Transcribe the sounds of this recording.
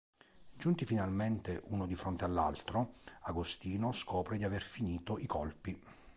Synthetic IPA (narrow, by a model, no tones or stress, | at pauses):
d͡ʒunt̪ifinalment̪eʔunod̪ifɾont̪ealːa̰lt̪ɾoaɡost̪iːnoskʰɔːpɾed̪iaverfiniːt̪oʔikɔlpi